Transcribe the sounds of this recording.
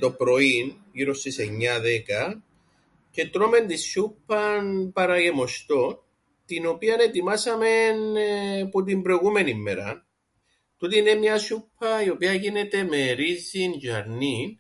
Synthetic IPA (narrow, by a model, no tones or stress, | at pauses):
t̪o̞pɾo̞inʝiɾo̞st̪ise̞ɲːɐðe̞kɐ | ce̞t̪ɾo̞me̞nt̪isːupːɐnpɐɾɐʝe̞mo̞st̪o̞n | t̪ino̞piɐne̞t̪imɐsɐme̞npot̪̬imbɾo̞jɣume̞nimːeɾɐ̰ | t̪ut̪ine̞mɲɐsupʰːɐio̞piɐʝine̞t̪e̞me̞ɾizːinʝɐɾnin